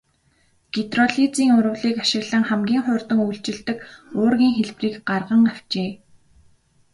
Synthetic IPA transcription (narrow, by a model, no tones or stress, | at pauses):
ɡ̥et̪rɔɮit͡siːŋʊɾʊ̆wɮiːkaʃɪ̆ɣɮə̆ŋχæmɡʲiːŋχʊːrt̪ə̆ŋujɬt͡ɕɪ̆ɮt̪ɘ̆kʊːrɣʲiːŋxeɮpriːkɢarʁə̆ŋæw̥t͡ɕeː